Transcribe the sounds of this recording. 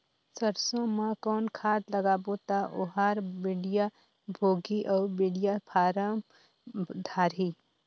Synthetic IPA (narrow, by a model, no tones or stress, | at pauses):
səɾsõmãkɔːnkʰaːd̪ləɡaːbot̪aʔoɦaːɾbiɖija | bʱoːɡiʔɔːɾbiɽijapʰaːɾəm | d̪ʱaːɾi